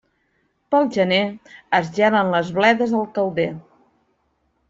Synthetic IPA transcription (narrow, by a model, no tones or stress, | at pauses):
pəlˠʒəneəzʒɛnənləzβlɛðəzðəlˠkəlˠd̪e